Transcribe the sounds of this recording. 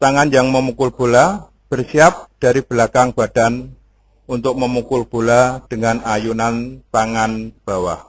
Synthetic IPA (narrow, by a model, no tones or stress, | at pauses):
t̪aŋanjaŋməmukʊlb̥o̤la | b̥ərsiap̚d̥a̤ɾib̥əlakaŋb̥a̤d̥an | unt̪ʊk̚məmukʊlb̥o̤lad̥əŋanajunant̪aŋanb̥a̤wa̰h